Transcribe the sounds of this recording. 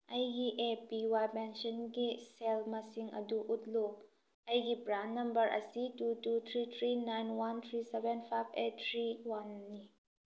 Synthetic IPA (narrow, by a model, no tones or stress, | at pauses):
ʔɐjɡiʔepiwajpɛnʃɔnkisɛlmasiŋʔɐ̰duʔut̪̚lu | ʔɐjkibɾanːɐmbəɾʔə̰situtut̪ʰɾit̪ʰɾinajnwɐnt̪ʰɾisɛvɛnfʰajbet̚t̪ʰɾiwɐnːi